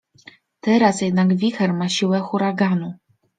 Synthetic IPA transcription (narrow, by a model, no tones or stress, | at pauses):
t̪ɛɾasjɛd̪naɡvʲixɛɾmaɕiwɛxuɾaɡanu